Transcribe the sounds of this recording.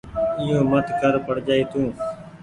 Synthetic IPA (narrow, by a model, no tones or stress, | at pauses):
ɪjõːmət̪kəɾpəɽd͡ʒaːiːt̪ũː